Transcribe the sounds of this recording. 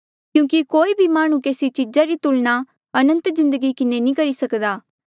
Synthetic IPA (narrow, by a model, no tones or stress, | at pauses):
kjũːkikoːibʱimaːɽ̃ũkeːsit͡ʃid͡ʒaɾit̪ʊlna | ɐnə̃nt̪zɪ̃nd̪əɡikɪnenĩkɐɾisɐkd̪aː